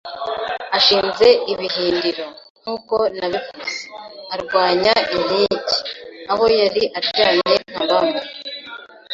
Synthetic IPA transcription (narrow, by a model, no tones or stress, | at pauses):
aʃiːnze̞iβiɦiːndiɾo̞ | n̥uːko̞naβivuzeaɾɡwaːɲaʔin̥iɟi̥aho̞jaɾiʔaɾɟaːne̞n̥aβama